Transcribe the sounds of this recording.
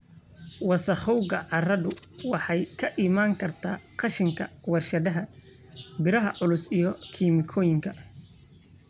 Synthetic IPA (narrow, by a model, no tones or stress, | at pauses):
wɑsɐχɔwɣɐʕɑrɐðʊwɑħɑjkʰɐʔimaːŋkʰɐrt̪ʰaːqɑʃɪŋkʰɐwɑrʃɐðɐɦɐ | bɪɾɐɦɐʕʊlʊsijɔkʰiːmɪkʰɔːjɪŋkʰɐ